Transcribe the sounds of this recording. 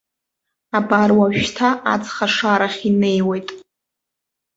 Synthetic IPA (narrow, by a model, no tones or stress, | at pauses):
abarwaʒᶣtʰaat͡sχaʂaɾaχʲine̞jwejtʼ